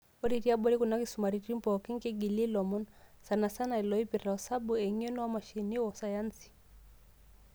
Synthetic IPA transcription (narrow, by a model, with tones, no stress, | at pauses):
ɔ˦ɾi˨ɾi˦a˦ɓɔ˦ɾi˦ku˨na˦ki˦suma˨ɾi˨ɾi˦mpɔ˨ki˦ŋ˦kɛ˦ɡi˨li˦lɔ˨mɔ˦nsa˨na˨sa˦na˨i˨lɔi˦pi˨ɾa˨ɔsa˦bu˨ɛ˨ŋɔ˦nɔ˦a˦ma˨ʃi˨ni˦wɔ˨sa˨ja˦nsi̥˨